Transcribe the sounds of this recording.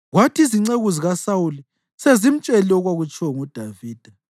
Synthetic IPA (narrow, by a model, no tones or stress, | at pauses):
ɣwatʰiziŋ͡ǀeɣuziɣasawuli | sezim̩t͡ʃʼɛlɛɔɣwaɣut͡ʃʰʼwɔŋud̥ʱaviːd̥ʱa